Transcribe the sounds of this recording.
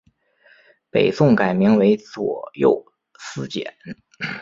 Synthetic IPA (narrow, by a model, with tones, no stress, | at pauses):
pe˨˩ɪsʊ˥˩ŋka˨˩ɪmi˧˥ŋwe˧˥ɪt͡swɔ˨˩jo̰˥˧˩ʊ | sɹ̩˥t͡ɕjɛ̰˨˩˦n